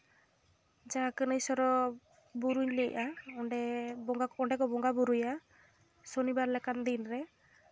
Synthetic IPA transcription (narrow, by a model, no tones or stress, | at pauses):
d͡ʒaakənəisɔɾɔ | buɾuɲliʔʔaɔɖɛbɔɡaɔɳɖɛkɔbɔŋɡabuɾuja | sonibaɾlɛkand̪inɾɛ